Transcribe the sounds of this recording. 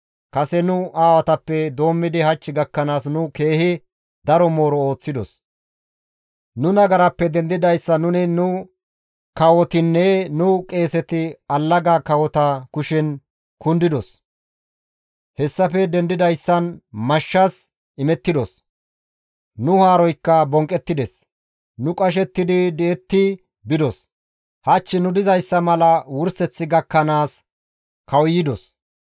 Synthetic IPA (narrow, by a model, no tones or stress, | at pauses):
kɐsɛnʊaːwɐt̪ɐpːɛd̪o̞ːmːɪd̪ɪhɐt͡ʃːɪɡɐkːɐnaːsnʊke̞ːhɪ | d̪ɐɾɔmo̞ːɾɔo̞ːt͡sːɪd̪ɔ̰s | nʊnɐɡɐɾɐpːɛd̪ɛnd̪ɪd̪ɐjsːɐnʊnɪnʊ | kɐwɔt̪ɪnːɛnʊkʼe̞ːsɛt̪ɪɐlːɐɡaːkɐwɔt̪ɐkʊʃɛn | kʊnd̪ɪd̪ɔs | hɛsːɐfɛd̪ɛnd̪ɪd̪ɐjsːɐnmɐʃːɐs | ɪmɛt̪ːɪd̪ɔs | nʊhaːɾɔjkːɐbɔŋkʼːɛt̪ːɪd̪ɛs | nʊkʼɐʃ̬ɛt̪ːɪd̪ɪd̪ɛɛt̪ːɪ | bɪd̪ɔs | hɐt͡ʃːɪnʊd̪ɪzɐjsːɐmɐlɐwʊɾsɛt͡sːɪɡɐkːɐnaːs | kɐwjɪd̪ɔs